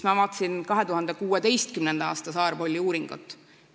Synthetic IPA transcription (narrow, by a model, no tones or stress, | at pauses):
mɑvɑːt̪ːˑsinkɑɦe̞t̪uɦɑnd̪ekuːe̞d̪e̞jst̪kymnend̪̥ɑɑ̰ːst̪ɑsɑːrbo̞lʲːiuːɾiŋɡ̥ṵt̪ːˑ